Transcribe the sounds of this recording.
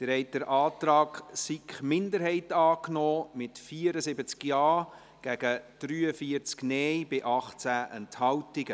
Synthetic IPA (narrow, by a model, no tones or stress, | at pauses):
d̥̪ɪɾhɛɪt̚d̥əɾʔɑːtɾɑːɡsikχmɪndəɾɦɛɪtɑːknɔːmɪtfiːɾəsɪbət͡skjɑː | ɡ̥æɡ̥əd̥ryːəfiəɾt͡sknɛjbɪʔɑχt͡sæʔɛnthɑwtɪɡə